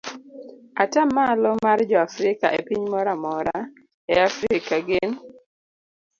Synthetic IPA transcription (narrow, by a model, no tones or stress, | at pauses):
atamːalɔmard͡ʒɔafɾɪka̰ʔepiɲmɔɾamɔɾa | ɛafɾɪkaɡen